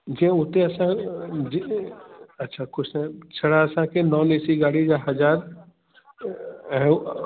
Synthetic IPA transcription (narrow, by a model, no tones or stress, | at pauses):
d͡ʒẽʊt̪eɐsãd͡ʒi | ɐtːʃʰakʊt͡ʃʰnet͡ʃʰɐɽaəsãkenɔːleːsiɡaːɽid͡ʒaɦɐd͡ʒaːɾ | ɦɛ̃